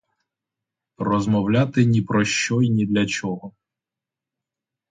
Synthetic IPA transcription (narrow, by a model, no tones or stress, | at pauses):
rɔzmɔwlʲat̪ɪnʲipɾɔʃt͡ʃɔjnʲid̪lʲɐt͡ʃɔɦɔ